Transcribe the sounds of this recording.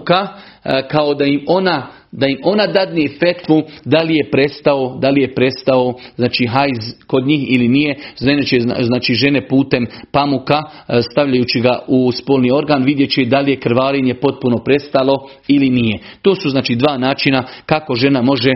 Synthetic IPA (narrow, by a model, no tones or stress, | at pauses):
ka | kao̞d̪aimo̞na | d̪aimo̞nad̪ad̪niefe̞t̪ʋud̪alije̞pɾe̞st̪aod̪alije̞pɾe̞st̪aoznaːt͡ʃiɦajzko̞d̪ɲiːhilinije̞ʒenet͡ʃeznaːt͡ʃiʒe̞ne̞puːt̪e̞mpamukast̪aʋʎajuːt͡ʃiɡaʔuspo̞ːlˠnio̞ɾɡaːnʋid̪je̞t͡ɕed̪alije̞kɾʋaːɾeɲe̞po̞t̪̚puno̞pɾe̞st̪alo̞ | ilinije̞t̪o̞ːsuznaːt͡ʃid̪ʋaːnaːt͡ʃinakako̞ʒe̞namo̞ʒe̞